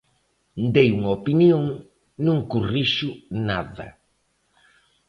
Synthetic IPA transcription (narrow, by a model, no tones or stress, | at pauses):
d̪ejuŋɐopinjoŋ | nũŋkuriʃʊnaðɐ̰